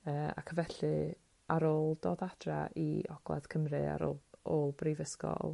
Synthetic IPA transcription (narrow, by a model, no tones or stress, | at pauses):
əːa̰kʰəvɛɬɨ | aɾoːlˠdoːdad̥raʔḭɔɡ̥lˠa̰ð̥kʰəmrɨa̰ɾoːlˠoːlˠbrivəskɔ̰lˠ